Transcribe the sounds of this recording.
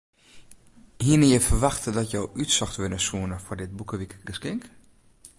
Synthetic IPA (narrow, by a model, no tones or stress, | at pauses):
hiənɪjəfərʋaxtədɔtjɔwytsɔxtʋɪnəsuənəfɔrdɪd̚bukəʋikəɡəskɪŋk